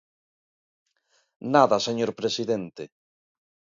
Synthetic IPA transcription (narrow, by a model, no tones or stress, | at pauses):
naðaseɲoɾpɾesiðent̪e